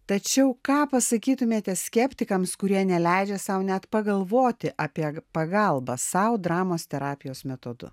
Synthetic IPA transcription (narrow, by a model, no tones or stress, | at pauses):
t̪ɐt͡ʃʲɛʊkɑːpɐsɐkʲiːt̪ʊmʲeːt̪ʲɛsʲkʲɛpʲt̪ʲɪkɐmskʊɾʲiɛnʲɛlʲæɪd͡ʒʲɛsɐʊnʲæt̪pɐɡɐlˠʋoːt̪ʲɪʔɑpʲiɛpɐɡɐlˠbɐsɐʊd̪ɾɑːmoːst̪ʲɛɾɑːpʲɪjoːsmʲɛt̪oːd̪ʊ̰